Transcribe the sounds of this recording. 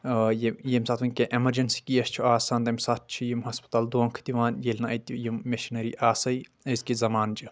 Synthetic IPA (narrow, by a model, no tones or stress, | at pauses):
jejemsaːt̪ʋɐnʲkʲeʔemɐɾd͡ʒɐnsi̥kijɐst͡ʃʰuaːsaːnd̪ɐmsat̪̚ʰt͡ʃʰijimɦɐspɐ̥t̪ald̪uɐŋkʰt̪iʋaːnjelʲnɐɐjt̪jujimmeʃinɐɾiʔaːsɐj | ɐskizɐmaːnd͡ʒi